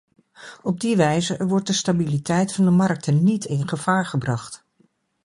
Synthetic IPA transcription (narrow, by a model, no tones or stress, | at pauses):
ɔb̚diʋɛjzəʋɔɹt̚dəstabilitɛjtfɑndəmɑɹk̚tʰənːitʰɪnχəv̥aːɹχəbrɑχt